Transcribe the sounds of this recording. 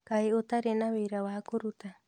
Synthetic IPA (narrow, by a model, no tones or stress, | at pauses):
kaeot̪aɾenawejɾawaːkuɾut̪a